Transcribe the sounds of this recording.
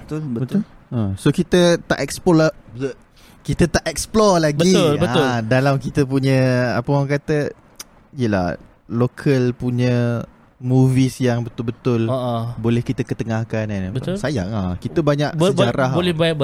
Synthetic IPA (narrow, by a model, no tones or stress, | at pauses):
t̪ulbəbət̪ʊlasokit̪ət̪a̰ʔɛkspɔlab | kit̪ət̪aʔɛksplɔrlaɡbəiʊlbəaʊdalamkit̪əp̬uɲə̃apəaŋkat̪ə | ijəla̰h | lokʰəlpuɲə̃ | muvisjaŋbət̪ʊlbət̪ʊloʔbolɛhkit̪əkət̪əŋahkananbəʊsaja̰ʔŋakit̪əbaɲaʔsəbd͡ʒaɾaɦbolɛhbab